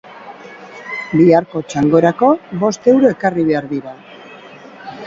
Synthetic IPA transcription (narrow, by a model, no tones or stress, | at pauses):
biaɾko̞t͡ʃaŋɡo̞ɾako̞βo̞st̪e̞wɾoe̞kariβe̞aɾðiɾa